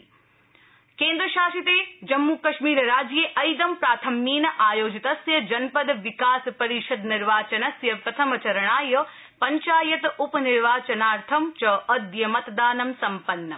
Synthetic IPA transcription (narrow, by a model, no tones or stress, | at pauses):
keːnd̪ɾɐʃaːʃit̪eːd͡ʒɐmːuːkɐʃmiːɾɐɾaːd͡ʒjeːʔɐjd̪ɐmpɾaːt̪ʰɐmːiːnɐʔaːjoːd͡ʒit̪ɐsjɐd͡ʒɐnpɐd̪ɐʋikaːspɐɾiʃɐd̪niɾʋaːt͡ʃɐnɐsjɐpɾɐt̪ʰɐmɐt͡ʃɐɾɐɳaːjɐ | pɐɲt͡ʃaːjɐt̪upɐniɾʋaːt͡ʃɐnaːɾt̪ʰɐmt͡ʃɐːʔɐd̪jɐmɐt̪d̪aːnɐmsɐmpɐnːɐ